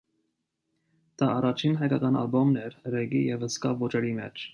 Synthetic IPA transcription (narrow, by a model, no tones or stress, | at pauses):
d̪̥ɑɑrɑt͡ʃʰinɦɑjkɑkɑnɑ̰lbɔmnɛɾrɛɡijɛvəskɑvɔt͡ʃɛɾimɛ̰t͡ʃʰ